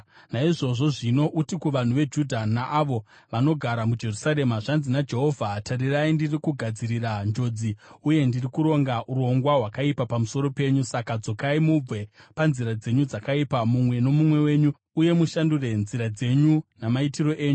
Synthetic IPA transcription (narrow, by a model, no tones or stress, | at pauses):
naiʐo̞ʐo̞ʐino̞ʔutikuʋan̤uʋe̞d͡ʒudʱanaʔːʋo̞ | ʋano̞ɡʱaɾamud͡ʒe̞rusaɾe̞maʐanzinad͡ʒe̞ɦo̞vʱatariraindirikuɡʱad͡ziɾirand͡ʒo̞ːd͡ziuje̞ndirikuɾo̞ŋɡaʔuɾo̞ŋɡwaɦwakaipapamuso̞ɾo̞pe̞ɲusakad͡zo̞kaimub͡ve̞panziɾad͡ze̞ɲud͡zakaipamumwe̞no̞mumwe̞we̞ːɲu | uje̞muʃandure̞nziɾad͡ze̞ɲunamaitiro̞ʔe̞ːɲu